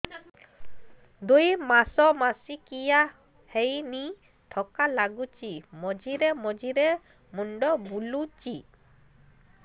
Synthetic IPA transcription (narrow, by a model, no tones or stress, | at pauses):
d̪ujmasɔmasikija | hejni | ʈʰɔkalaɡut͡ʃimɔd͡ʒiɾemɔd͡ʒiɾe | muɳɖɔbulut͡ʃi